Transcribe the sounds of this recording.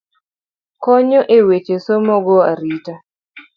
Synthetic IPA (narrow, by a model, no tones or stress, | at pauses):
kɔɲɔʔewet͡ʃesomɔɡɔaɾita